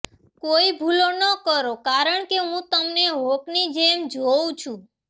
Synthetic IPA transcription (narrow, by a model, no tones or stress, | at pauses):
koibʱulonəkəɾokaɾəɳkeɦũt̪əmneɦoknid͡ʒemd͡ʒoũt͡ʃʰũ